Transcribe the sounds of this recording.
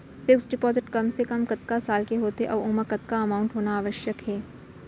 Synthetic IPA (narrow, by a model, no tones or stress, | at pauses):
fɪksɖɪpɔːzɪʈkɐmsekɐmkɐt̪kasaːlkeɦoːt̪ḛʔɔ̰ːɾʊːməkɐt̪kaɐmaːʊ̃ɳʈɦoːnaaːʋəʃjəkɦɛː